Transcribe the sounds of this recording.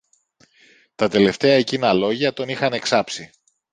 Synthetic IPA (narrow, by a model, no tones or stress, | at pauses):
t̪ɐt̪e̞le̞ft̪e̞ɐecinɐlo̞ʝɐt̪o̞nixɐne̞ksɐpsi